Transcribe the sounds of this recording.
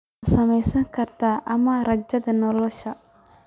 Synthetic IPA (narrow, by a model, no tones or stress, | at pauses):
sɐmɛjsɐŋkʰɐrt̪ʰaːʔɐmɐrɐd͡ʒɐðɐnɔlɔʃɐ